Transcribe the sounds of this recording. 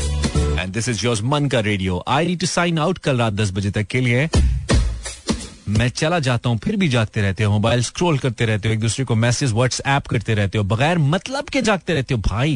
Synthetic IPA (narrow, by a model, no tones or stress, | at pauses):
ɛ̰̃nɖd̪ɪsɪzjɔːɾzmɐ̃nkaɾeːɖioːʔaːɪniːɖ̚ʈusãːɪnaʊʈkɐlɾaːt̪̚d̪ɐs̬bɐd͡ʒet̪ɐkːeliɛ̃ | mɛ̃ːt͡ʃɐlad͡ʒaːt̪aɦũpʰɪɾbʱid͡ʒaːɡ̚t̪eɾɛɦt̪eɦɛ̃mobaːɪlskɾoːlkɐɾt̪eɾɛɦt̪eɦõeːk̚d̪uːsɾekomɛːsɪzʋəɾʈsɛːpkɐɾt̪eɾɛɦt̪eɦõbɐɣɛːɾmɐt̪ləbked͡ʒaːɡ̚t̪eɾɛɦt̪eɦõbʱaːi